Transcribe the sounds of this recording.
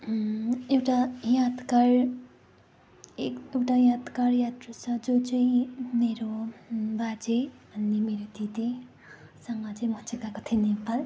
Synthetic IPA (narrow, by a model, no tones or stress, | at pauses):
ewʈajat̪kar | eewʈajat̪karjat̪rusʌd͡zod͡zʌjmeɾobad͡zebʱʌnːemeɾod̪id̪i | sʌŋʌt͡sʌjmʌt͡sikakot̪ʰinepal